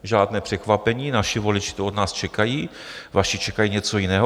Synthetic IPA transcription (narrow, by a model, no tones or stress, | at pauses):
ʒaːdnɛːpr̥ɛkvapɛɲiːnaʃɪvo̞lɪt͡ʃɪ̥t̪oodnaːst͡ʃɛkajiː | vaʃɪt͡ʃɛkajiːɲɛt͡sojɪnɛːɦo